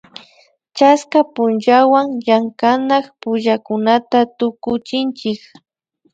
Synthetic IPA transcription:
t͡ʃaskapʊnt͡ʃawaŋjaŋkanaχpʊʒakʊnat̪at̪ʊkʊt͡ʃɪnt͡ʃɪk

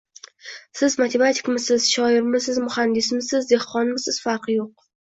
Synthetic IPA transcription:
sɪzmat̪ʰe̞mat̪ʰɪ̥kmɪsɪz̥ʃɒɪɾmɪsɪzmʊhand̪ɪsmɪsɪzd̪ehqɒnmɪsɪz̥faɾqɨjoq̚

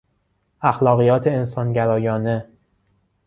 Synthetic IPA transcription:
ʔæxlɒːɣijɒːt̪ʰe̞ensɒːnɟæɾɒːjɒːne̞

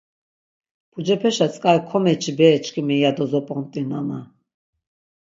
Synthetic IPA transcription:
pʰud͡ʒɛpʰɛʃat͡sʼkʼaikʰɔmɛt͡ʃʰibɛːt͡ʃʰʼkʰʼimɛjad̪ɔzɔpʼɔnt̪ʼinama

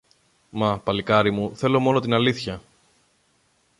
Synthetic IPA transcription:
mɐpɐlikɐɾimuθe̞lo̞mo̞no̞t̪inɐliθçɐ

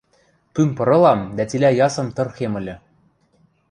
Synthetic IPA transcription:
kynpɤ̆ɾɤ̆lˠɑmd̪æt̪ʲilʲæjɑsɤ̆mt̪ɤ̆rxemɘ̆lʲɘ̆

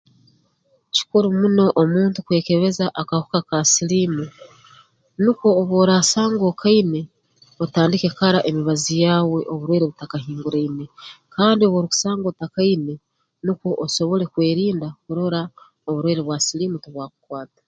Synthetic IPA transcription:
ci̥kuɾumuno̞ʔomuːntukwe̞ːke̞βe̞zaʔakahu̥kakasilimu | nukwo̞ːβwoːɾaːsaːŋɡo̞kʰaine̞ | otaːndike̞kaɾaʔemiβazijaːwe̞ʔo̞βuɾwe̞ːɾeβutakaɦiːŋɡuɾaine̞kaːndio̞βwoɾuku̥saːŋɡoutakaine̞ | nukwo̞ʔːso̞βo̞le̞kwe̞ːɾiːndakuɾo̞ɾa | oβuɾwe̞ːɾeβwasiliːmutoβwaːku̥kwaːtḁ

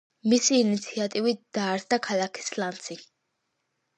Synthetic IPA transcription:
misiːnit̪sʰiat̪ʼivit̚d̪̥aːɾd̪akʰalakʰi̥slant̪sʰik

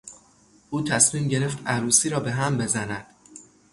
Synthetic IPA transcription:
ʔuːt̪ʰæsmiːmɟe̞ɾe̞ft̪æɾuːsiːɾɒːbe̞ɦæmbe̞zænæd̪̥

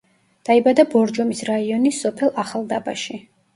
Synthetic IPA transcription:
d̪̥aibad̪abɔɾd͡ʒɔmisɾaiɔnisːɔpʰɛlˠaχalˠd̪aba̰ʃi

